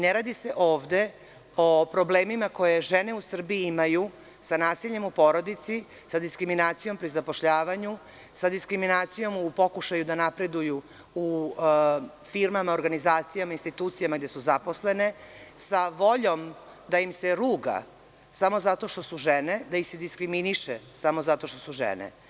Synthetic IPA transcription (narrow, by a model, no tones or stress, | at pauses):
neɾaːd̪ise̞ʔo̞ːʋd̪e | o̞pɾo̞bleːmimako̞je̞ʒe̞ne̞usr̩biiimaju | sanaːsiʎe̞mupo̞ɾo̞d̪it̪si | sad̪iskɾiminaːt̪sijo̞mpɾizapo̞ʃʎaːʋaɲu | sad̪iskɾiminaːt̪sijo̞mupo̞kuʃajud̪anapɾe̞d̪uju | u | fiɾmamaoɾɡanizaːt̪sijamainst̪it̪uːt̪sijamaɡd̪e̞suzapo̞sle̞ne̞saʋo̞ʎo̞m | d̪aimseɾuːɡa̰ | samo̞zat̪o̞ʃt̪o̞suʒene̞d̪aixsed̪iskɾiminiʃesamo̞zat̪o̞ʃt̪o̞suʒḛnḛ